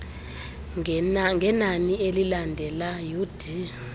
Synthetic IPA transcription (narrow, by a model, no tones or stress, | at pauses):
ŋɡʱɛnanielilandʱɛlajud̥ʱi